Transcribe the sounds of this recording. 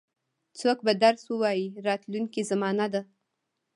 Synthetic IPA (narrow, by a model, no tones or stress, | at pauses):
t͡sok̚bad̪aɾswəwɑjiɾɑt̪luŋkizamɑnad̪a